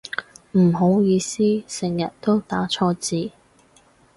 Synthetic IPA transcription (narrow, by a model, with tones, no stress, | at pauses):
m̩˨˩ɦo˨˥wjiː˨˧siː˥sɪ˨˩ŋjɐ˨˩t̚t̪o˥wt̪aː˨˥t͡ʃʰɔː˧t͡siː˨˧